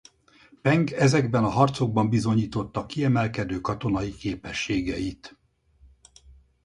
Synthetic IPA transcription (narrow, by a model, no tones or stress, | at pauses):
pɛŋɡɛzɛɡbɛnɒɦɒrt̪so̞ɡ̚bɒmbizo̞ɲiːt̪o̞t̪ːɒkiɛmɛlkɛd̪øːkɒt̪o̞nɒikeːpɛʃːeːɡɛjit̪